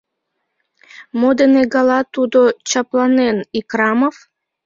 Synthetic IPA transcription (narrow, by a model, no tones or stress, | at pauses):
mod̪eneɡɑlˠɑt̪ud̪ot͡ɕaplˠɑnenikɾɑmof